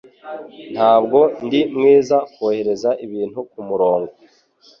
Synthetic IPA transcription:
n̥haːb̚ɡo̞ndimŋiːzakohe̞ɾe̞zaʔiβiːn̥hukumuɾo̞ːŋɡo

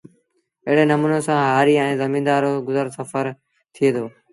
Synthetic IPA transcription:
ɪɦɪɽenɐmuːnosãːɦaːɾiːɛ̃ːzɐmĩːnd̪aːɾoɡʊzəɾsɐfəɾ | t̪ʰijeːd̪oː

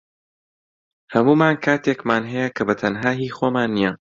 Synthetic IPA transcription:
hɐmuːmaːnkʰaːt̪ʰeːkmaːnɦɛjɐkʰɐbɐt̪ʰɐnɦaːɦiːxoːmaːnːijɐ

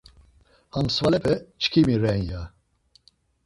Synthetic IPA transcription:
hamsvalɛpʰɛt͡ʃʰkʰimiɾɛnja

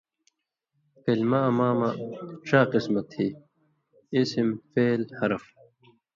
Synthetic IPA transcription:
filmamaːmaʈ͡ʂʰaːqismɐt̪hiː | isimfeːlhɐɾɐf

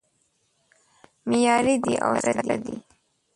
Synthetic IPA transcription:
mɪjɑɾid̪iʔa̰wɾad͡ʒlad̪i

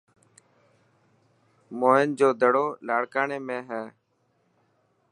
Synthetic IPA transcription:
moːɪnd͡ʒoːd̪əɽoːlaːɽkaːɳeːmẽːɦɛː

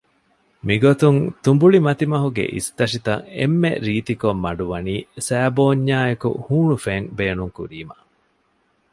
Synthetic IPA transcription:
miɡot̪uŋt̪umbuɭimɐt̪imɐɦuɡḛʔḭst̪ɐʂit̪ɐŋḛmːḛɾiːt̪ikomːɐɖuʋɐniːsæːboːɲːaːekṵhuːɳufeŋbeːnuŋkṵɾiːmɐ̰

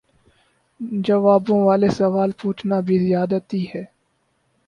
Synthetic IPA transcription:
d͡ʒɐʋaːbõʋaːlesɐʋaːlpuːt͡ʃʰnabʱizɪjaːd̪at̪iɦɛː

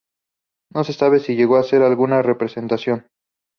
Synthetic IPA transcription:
no̞se̞saβe̞siʝe̞ɣo̞ase̞ɾalɣunare̞pɾe̞se̞nt̪asjo̞n

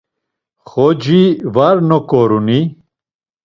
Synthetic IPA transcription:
χod͡ʑivaɾnokoɾuni

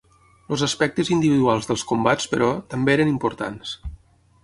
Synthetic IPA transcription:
lozəspɛk̚t̪əzind̪iβiðualˠzðəlˠskumbat͡spəɾɔt̪əmbeeɾənimpuɾt̪a̰ns

